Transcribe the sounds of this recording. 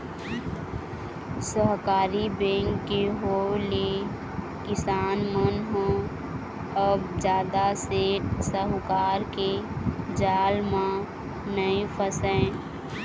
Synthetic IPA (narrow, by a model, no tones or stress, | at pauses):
səɦkaːɾibẽːŋkːeɦole | kɪsaːnmənɦõ | əbd͡ʒjaːd̪aseːʈsəɦkaːɾked͡ʒaːlmã | nəĩpʰəsɛ̃